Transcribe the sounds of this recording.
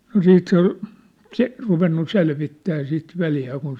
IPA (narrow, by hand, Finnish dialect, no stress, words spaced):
no siːt se ŏl se ruʋenːu selʋitːæː sit ʋeljæː kun